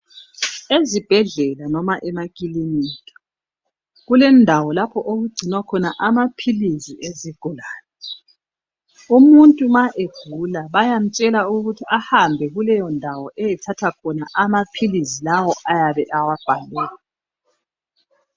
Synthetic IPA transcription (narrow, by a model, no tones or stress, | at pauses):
ezib̥ʱɛɮɛlanɔmaʔɛmakʼilinitʼɔ̥ | ɣulɛndʱawɔlapʰɔʔoɣuɡ͡ǀʱinwakʰɔnaʔamapʰilizieziɡ̥ʱɔlaːnɛ | umuntʼumaʔeɡ̥ʱulaβajam̩t͡ʃʼɛlauɣutʰiʔahambʱɛɣulɛjɔndʱawɔʔɛjɛtʰatʰakʰɔnaʔamapʰilizilawɔʔajaβɛʔawab̥ʱalɛːla